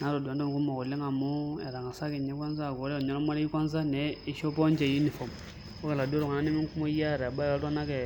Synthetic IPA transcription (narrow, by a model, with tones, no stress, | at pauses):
na˨˦ɾo˨da˨˦dɔ˦m˨ku˦mɔ˨kɔ˨le˦ŋa˨mo˦ɛ̰˨ɾa˨ŋa˨sa˦kɛ˨ɲɛ˦ka˦ns̬a˦˨ɡo˨ɾɛ˦˨ɲɔ˦lɔ˦ma˦ɾi˦i˦kʷa˦n˦s̬a˦nɛ˨˦i˦ʃɔ˦pɔ˦ɲ˦d͡ʒɛ˨ju˦ni˨fɔ˨m | o˦ka˨la˨du˦ɾɔ˨ŋa˨na˦ni˦mi˦ŋ˦ku˦mo˦ja˦˨ɾɛ˨ba˦˨ka˦tɔ˦na˦kɛ˨